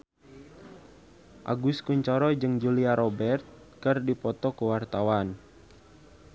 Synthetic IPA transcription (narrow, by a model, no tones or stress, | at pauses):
ʔa̰ɡuskuɲt͡ʃɔɾɔd͡ʒɨŋd͡ʒuliaɾɔbɛrt̪̚ | kɨrdipɔt̪ɔkəwart̪awan